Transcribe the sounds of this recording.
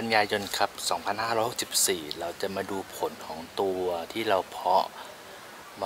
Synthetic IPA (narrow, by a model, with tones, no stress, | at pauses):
ka˧njaː˧jo˧nkʰa˦˥p̚sɔː˩˦ŋpʰa˧nhaː˥˩ɾɔ˦˥jho˨˩ksi̥˨˩p̚siː˨˩ɾa˧wt͡ɕa˨˩ʔmaː˧duː˧pʰo˩˦nkʰɔː˩˦ŋt̪u˧ɐt̪ʰiː˥˩ɾa˧wpʰɔ˦˥ | m